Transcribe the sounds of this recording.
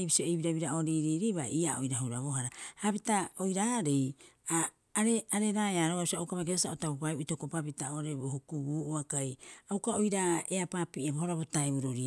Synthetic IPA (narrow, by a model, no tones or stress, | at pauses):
jbisioejβiɾaβiɾao̞ɾiːɾiːɾijβaiaojɾaɦuɾaβoɦaɾahapitaojɾaɾejaː | ɾeaɾe̞ɾajaɾoɡausiawkamakesasaotabopajuʔitokopapitaoɾebohukubuːʔuakajawkaojɾaeapapiʔabohoɾaβotaeβuɾuɾia